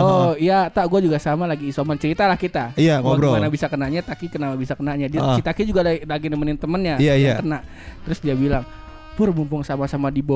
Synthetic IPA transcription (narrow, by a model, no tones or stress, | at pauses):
oijat̪aɡuad͡ʒuɡasamalaɡiːsomant͡ʃəɾit̪alahkit̪aijambɾokənabisakənaɲat̪akikənapabisakənaɲadiat͡ʃit̪akid͡ʒuɡallaɡinəmənɪnt̪əmənɲaaaakənaʔ | t̪əɾʊsdiabilaŋ | pʊrmumpʊŋsamasamadibo